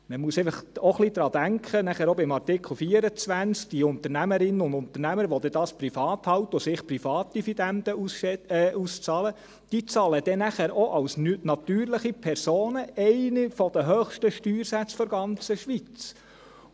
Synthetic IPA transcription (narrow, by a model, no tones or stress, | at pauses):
məmuəsɛɪfəχoχlid̥̪ɾɑːd̥̪æŋkʰχənæχæːɾɔbɪmɑrtɪkʰl̩ˠfiːəɾət͡sʋænt͡sk̚d̪̥iʊnt̪əɾnæməɾɪnəʊnd̪ʊnt̪əɾnæməɾəʋɔd̪ɛd̥̪ɑːsprifɑːt̪hɑwt̪əɔsɪχpɾifɑːt̪̚d̥ifid̪ænd̪əusɛust͡sɑːlə | d̥it͡sɑːləd̥̪ɛnæχæːɾʔɔʔɑwsnɑt̪yːɾlɪχipʰɛɾsoːnəɛɪnifɔd̪̥əɦøχʃtəʃtyːɾsæt͡sfɔɾɡɑnt͡səʃʋit͡s